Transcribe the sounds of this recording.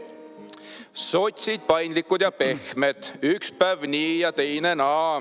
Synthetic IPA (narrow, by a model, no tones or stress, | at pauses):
so̞t̪ʲsid̪̚pɑjnd̪likːˑud̪̥jɑpe̞xmet̪ykspævniːjɑt̪e̞jnenɑː